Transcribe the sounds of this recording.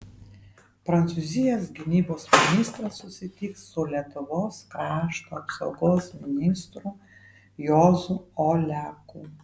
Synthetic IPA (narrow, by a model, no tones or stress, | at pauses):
pɾɐnt̪suːzʲɪjɛːsɡʲɪnʲiːboːsmʲɪnʲɪst̪ɾɐsːʊsʲɪt̪ʲɪːksʊlʲiɛt̪ʊʋoːskɾɑːʃt̪oːɐpsɒ̰ʊɡoːsmʲɪnʲɪst̪ɾu | joːzuːoːlʲæːkuː